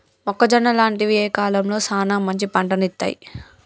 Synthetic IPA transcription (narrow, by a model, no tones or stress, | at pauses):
ɔkːɐd͡ʒɐnːɐlaːɳʈiʋieːkaːlɐmlo̞ːsaːnaːmːɐɲt͡ʃipɐɳʈɐnit̪ːa̰ːjḭ